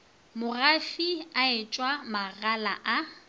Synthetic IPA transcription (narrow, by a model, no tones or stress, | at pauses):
mʊrafiaɪt͡ʃʼwamaɣalaʔa